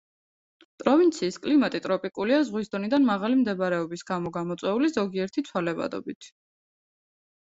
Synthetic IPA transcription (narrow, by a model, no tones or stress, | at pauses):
pʼɾɔvint̪sʰiːskʼlimat̪ʼit̪ʼɾɔpʼikʼuliazʁwisd̪ɔnid̪anmaʁalimd̪ɛbɾɛɔbisɡamɔɡamɔt̪sʼwɛulizɔɡiɛɾt̪ʰit̪sʰwalɛva̰d̪ɔ̰bit̪ʰ